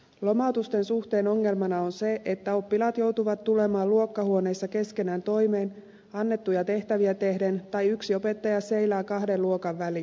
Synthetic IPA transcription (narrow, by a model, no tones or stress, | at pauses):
lo̞mɑut̪ust̪e̞nsuxt̪e̞ːno̞ŋːe̞lmɑnɑo̞nse̞ʔet̪ːæo̞pːilɑːt̪jo̞wt̪uʋɑt̪ːule̞mɑːluo̞kːɑhuo̞ne̞jsːɑke̞ske̞næːnt̪o̞jme̞ːn | ɑnːe̞t̪ːujɑt̪e̞ht̪æʋiæt̪e̞hdent̪ɑjyksio̞pe̞t̪ːɑjɑse̞jlæːkɑhde̞luo̞kɑʋːæli